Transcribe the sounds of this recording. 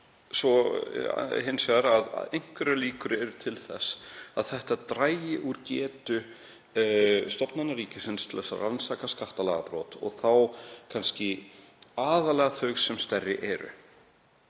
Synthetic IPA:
svɔ | hɪnsvɛɾaða̰ðejŋ̥kvɛɾaliːkʏɾɛɾʏt̪ʰɪlθɛ̰saðθɛht̪at̪ɾaːjɪʔuɾcɛːt̪ʏ | st̪ɔpnanːaɾiːcɪsɪnst̪ʰɪlɛsa̰ransakaskaht̪alɛ̰ɣapɾɔːt̪ɔ̰ɣθawkʰanscɪ | aːðalɛːɣaθœɥɣsɛmst̪ɛrːɪʔɛɾʏ̰

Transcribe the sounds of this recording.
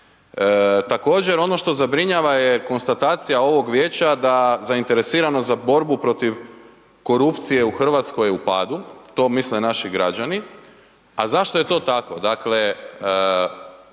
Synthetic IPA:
t̪ako̞ːd͡ʑe̞ɾo̞no̞ʃt̪o̞zabɾiɲaʋajeko̞nst̪at̪aːt̪sijao̞ʋo̞ɡʋjeːt͡ɕad̪azaint̪e̞ɾe̞siːɾano̞zabo̞ɾbupɾo̞t̪iʋ | ko̞ɾupt̪sije̞uxr̩ʋat̪sko̞jupaːd̪ut̪o̞ːmislenaʃiɡɾa̰d͡ʒani | azaʃt̪o̞je̞t̪o̞ːt̪ako̞d̪akle̞

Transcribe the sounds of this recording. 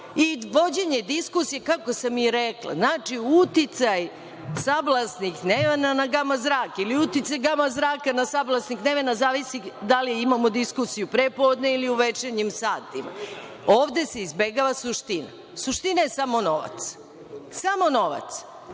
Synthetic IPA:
iʋo̞d͡ʑe̞ɲe̞d̪iskusijekako̞samiɾeklˠa̰znaːt͡ʃiut̪it̪saj | sablˠasnixneʋenanaɡamazɾaːkiliut̪it̪sajɡamazɾaːkanasablˠasnixneʋenazaːʋisid̪aliimamo̞d̪iskusijupɾepo̞ːd̪ne̞iliuʋe̞t͡ʃeɲimsaːt̪ima̰ | oːʋd̪e̞se̞izbe̞ɡaʋasuʃt̪ina̰ | suʃt̪inaje̞samo̞no̞ʋa̰t̪s | samo̞no̞ʋa̰t̪s

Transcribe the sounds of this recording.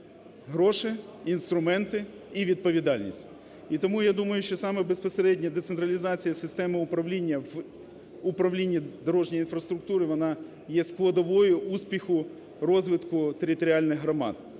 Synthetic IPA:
ɦɾɔʃɪinst̪ɾʊmɛnt̪ɪ | iʋʲid̪̚pɔʋʲid̪ɑlʲnʲḭsʲtʲ | it̪ɔmujad̪umɐjʊʃt͡ʃɔsɑmɛbespɔseɾɛdʲnʲɐd̪et̪sent̪ɾɐlʲiɪzɑt͡sʲijɐsɪst̪ɛmɪʊpɾɐwlʲinʲːɐʋ | ʊpɾɐwlʲinʲːid̪ɔɾɔʒnʲijinfɾɐst̪ɾʊk̚t̪uɾɨʋɔnɑ | jɛsklˠɐd̪ɔʋɔjʊʔusʲpʲixʊ | rɔzʋɪt̪kʊt̪eɾʲɪt̪ɔɾʲɪɑlʲnɪɣɦɾɔmɑ̰d̪

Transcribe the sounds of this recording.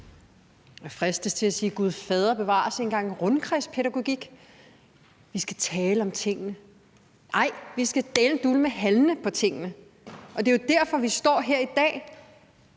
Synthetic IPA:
æfʁasd̥əst͡sʰe̝læsiːɡ̥uð̞ˠfɛːð̞ˠʁɐb̥e̝ʋɑ̰̈ːse̝nɡ̥ɑ̈ŋ̰ʁɔnkʰʁɛspʰeɾæɡ̥o̝ɡ̥iɡ̥ | ʋisɡ̥æt͡sʰɛːləɒ̽mt͡sʰe̝ŋ̰nə | ɑ̈ɪ̰ʋisɡ̥æd̥ɛːlnd̥uləmeɦælnəpʰɒ̽t͡sʰe̝ŋ̰ənə | ʔɒ̽d̥e̝jo̝d̥æɐ̰fɒ̽ʋisd̥ɒ̰ːɦeɐ̰id̥ɛ̰ː

